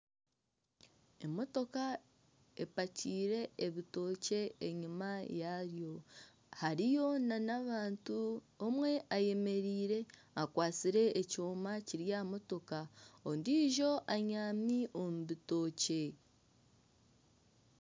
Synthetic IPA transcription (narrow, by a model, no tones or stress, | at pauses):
emo̞to̞ka | e̞paciːɾe̞ːβito̞ːce̞ːɲimajaɾjo̞ | haɾijo̞nanaβaːntu | omwe̞ʔaje̞me̞ɾiːɾe̞ | akwaːt͡siɾe̞ʔːcoːmaciɾjamo̞to̞kaondiːʒo̞ʔaɲaːmiʔo̞muβito̞ːce̞